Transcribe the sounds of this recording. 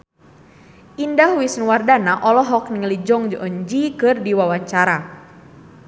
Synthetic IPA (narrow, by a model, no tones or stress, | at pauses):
ʔindaɦwisnwardanaʔɔlɔɦɔk̚niŋəlid͡ʒɔŋd͡ʒɔʔɔɲd͡ʒikɨrdiwawaɲt͡ʃaɾa